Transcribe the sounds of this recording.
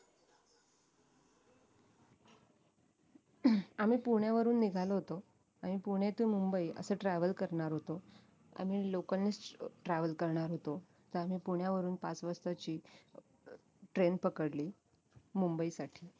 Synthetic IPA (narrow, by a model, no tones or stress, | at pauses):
am̤iːpuɳjaʋəɾuːnːiɡʱaloɦot̪o | am̤ipuɽ̃et̪umumbəiə̰səːʈɾɛʋəlkəɾɳaɾɦot̪o | a̰m̤iːlokənːesʈɾɛʋəlkəɾɳaɾɦot̪o | t̪əɾam̤iːpuɳjaʋəɾuːnpat͡sʋəst̪at͡ɕiː | ʈɾenpəkəɽliː | mumbəisaʈʰiː